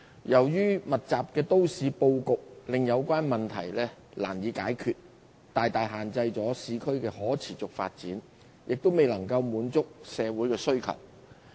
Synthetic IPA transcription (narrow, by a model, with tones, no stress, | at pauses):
jɐ˨˩wjyː˥mɐ˨t̚t͡saː˨p̚kɛː˧t̪o˥wsiː˨˧po˧wkʊ˨k̚lɪ˨ŋjɐ˨˧wkʷaː˥nmɐ˨nt̪ʰɐ̰˨˩jlɛː˥la̰ː˨˩njiː˨˧˥kaː˨˥jkʰyː˨t̚ | t̪aː˨jt̪aː˨jɦaː˨nt͡sɐ˧jt͡sɔː˨˥siː˨˧kʰɵ˥ɥkɛː˧hɔː˨˥t͡sʰiː˨˩t͡sʊ˨k̚fa̰ː˧t̚t͡siː˨˥n | jɪ˨k̚t̪o˥wme˨jlɐ˨˩ŋkɐ˧wmuː˨˥nt͡sʊ˥k̚sɛː˨˧wuː˨˥jkɛː˧sɵ˥ɥkʰɐ̰˨˩w